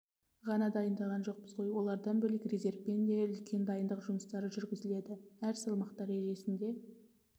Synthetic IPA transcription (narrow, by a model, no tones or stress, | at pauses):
ʁɑnɑd̪ɑjənd̪ɑʁɑnʒo̞q̚pəzqʰojwo̞lˠɑɾd̪ɑnbɵlɪkʲreze̞rvpe̞nd̪e̞ʏlkʲʰe̞nd̪ɑjənd̪əqʒʊməst̪ɑɾəʒʏɾɡʲɪzɪle̞d̪ɪæɾsəlˠmɑqt̪ɑɾeʒe̞sɪnd̪e̞